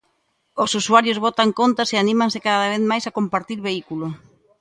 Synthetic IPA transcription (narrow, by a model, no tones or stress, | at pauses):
osusuaɾjozβɔt̪aŋkont̪aseanĩmãnsɪkaðaβ̞eθmajsakompaɾt̪iɾβeikulo